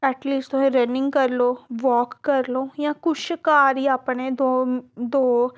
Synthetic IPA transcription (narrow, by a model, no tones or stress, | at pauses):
ɛʈliːsʈt̪ʊɦẽɾɐnɪ̃ŋɡkɐɾloːʋɔːkːɐɾloːjãkʊt͡ʃkaːɾiɐpned̪od̪oː